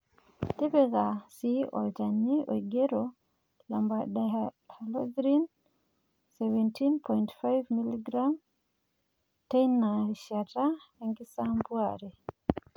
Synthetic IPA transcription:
t̪ipeɣasiɔ̰ld͡ʒanːiʔɔ̰iɡeɾɔ | lambaɗahalɔdɾin | sɛvɛntʰinpʰɔjntfajvmiliɡɾam | tenaʃataaŋɡisambuaɾɛ

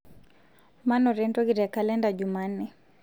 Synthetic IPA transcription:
manɔɾɛntɔɣiɾakalɛndaʄumannɛ

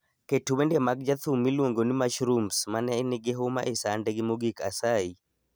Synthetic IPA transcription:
ketuwendemaɡ̚d͡ʒat̪umːilwoŋɡonimaʃɾumsmanɛnɪɡɪɦoma̰ʔesandeɡɪmoɡikʰa̰sai

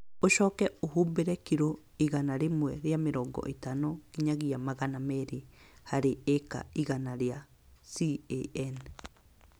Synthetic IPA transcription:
oʃɔːkɛoɦuːmbeɾɛkiɾo | iɣanaɾemwɛɾjameɾɔːŋɡɔ̰ʔetanokiɲaɣiamaɣanamɛɾihaɾeeka̰iɣanaɾea | sieɛn

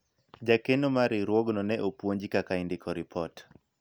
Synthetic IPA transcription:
d͡ʒakenomaɾɪɾwɔɡnɔnɛʔopwoɲd͡ʒikakaɪndɪkʰɔɾɪpʰɔt

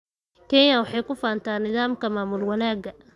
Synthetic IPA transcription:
kʰɛnjɐwɑħɑjkʰʊfaːnt̪ʰaːnːɪðaːmkʰɐmaːmʊlwɑnaːɡɐ

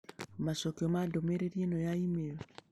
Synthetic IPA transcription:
masɔkeɔmadɔmɛɾeɾienɔjaimeɾɔ

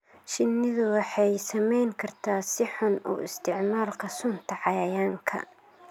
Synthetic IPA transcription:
ʃɪnːɪðʊwɑħɑjsɐmɛjŋkʰɐrt̪ʰaːsɪħʊnṵːʔɪst̪ʰɪʕmaːlkʰɐsʊnt̪ʰɐʕɑjɐjaːŋkʰɐ̰

